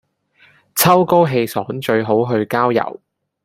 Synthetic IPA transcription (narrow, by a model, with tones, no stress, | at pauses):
t͡sʰɐ˥wko˥wɦe˧jsɔː˨˥ŋt͡ʃɵ˧ɥɦo˨˥wɦɵ˧ɥkaː˥wjɐ̰˨˩w